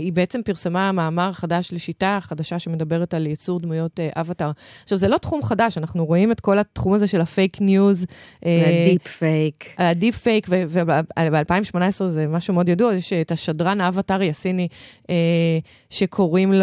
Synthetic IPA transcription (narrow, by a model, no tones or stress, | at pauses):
ibeet͡se̞mpiʁsemaːmaːmaʁaχadaʃleʃitaχadaʃaʃe̞me̞dabe̞ʁetaljet͡suʁdmujo̞teʔavataʁaχʃavzelo̞tχumχadaʃanaχnuʁo̞ime̞tko̞latχumazeʃe̞lafejknjuzʔedipfejkadipfejkveveabealpaĩmveʃmo̞naesʁezemaʃumeo̞djaduajeʃtaʃadʁanavataʁjasinie | ʃe̞kʰo̞ʁiml